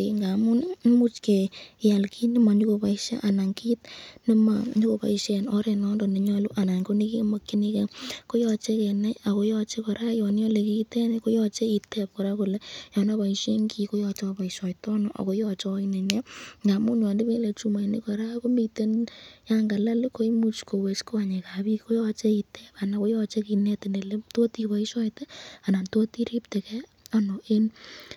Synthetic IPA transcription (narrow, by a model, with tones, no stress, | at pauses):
iŋɡa˨mʊ˦n˦mu˦t͡ʃke˨ja˨lki˦nɪ˦ma˨ɲu˦ko˨pa˨ɪʃa̰˦ʔa˨na˨ŋki˦tnɪ˦ma˨ɲi˦ko˨pa̰˨i˦ʃe˨nɔ˦ɾɛ˨nɔ˦ndɔ˨ne˨ɲɔ˧lu˦ʔa˨na˨ŋko˦ni˦ki˦mo˦kːi˦ni˦ke˨ko˦jɔ˧t͡ʃe˦ke˨na˦ja˨ko˨˦jɔ˦˧t͡ʃe˦kɔ˨ɾa˦jɔ˨n˦ɔ˦le˨ki˦itɛ˦nɛko˦jɔ˦t͡ʃe˦i˨tɛ˦p̚kɔ˨ɾa˦ku˨lɛ˦jɔ˨na˦ba˨i˨ʃe˦ŋɡi˨ko˦jɔ˧t͡ʃɔ˧pa˨i˨ʃɔ˨jtɔ˦nɔ˨ʔa̰˨ko˦jɔ˧t͡ʃɔ˦i˦nɛ˨ɲɛ˦ŋɡa˨mu˦njɔ˨ndi˦be˦le˨t͡ʃu˦ma˨i˨ni˦kɔ˨ɾa˦ko˦mi˦˧te˦nja˦ŋɡa˨la˦lɪ˦ko˦i˦mu˦t͡ʃko˨we˨t͡ʃko˦a˨ɲe˨ka˨bi˦kko˦jɔ˧t͡ʃe˦i˨tɛ˦pa˨na˨ko˦jɔ˧t͡ʃe˦ki˨nɛ˦tɪ˨ne˨le˦to˦ti˨ka˨i˦ʃɔ˦jte˦a˨na˨nto˦ti˦ɾi˦pte˨kɛ˦ | a˦nɔ˨ʔe˦n